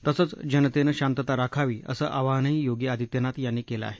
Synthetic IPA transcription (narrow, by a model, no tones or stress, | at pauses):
t̪əsət͡sd͡ʑənət̪enəɕant̪ət̪aɾakʰaʋiːə̰sə̰ːʔaʋaɦnəijoɡiad̪ʱit̪jənat̪janːiːkelə̰a̰ɦe